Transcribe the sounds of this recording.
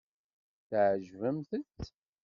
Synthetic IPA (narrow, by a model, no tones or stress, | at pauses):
θʕʒvəmθət͡s̪